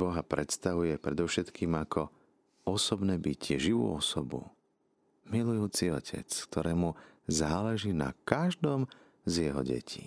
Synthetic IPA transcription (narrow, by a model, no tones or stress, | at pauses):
bɔɦapɾɛt̪st̪aʋujɛpɾɛd̪ɔʊʃɛt̪kiːmakʰɔ | ɔsɔbnɛːbicɪɛʒiʋṵːɔsɔbṵ | milujuːt͡siɔcʰɛ̰t͡sk̚t̪ʰɔɾɛːmuzaːlɛʒiːna̰kaʒd̪ɔm | zjɛɦɔ̰ɟɛ̰cʰḭː